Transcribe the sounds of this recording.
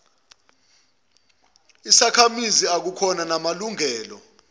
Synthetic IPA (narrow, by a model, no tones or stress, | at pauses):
isakʰamiziak̬ukʰɔnanamaluŋɛːlɔ̰